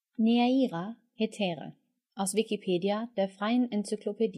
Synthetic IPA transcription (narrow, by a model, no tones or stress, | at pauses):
neaiːʁa | hetʰeːʁə̰ | ʔaʊsvɪkipʰeːdiad̥eɐfʁaɪənɛnsykʰlopʰedi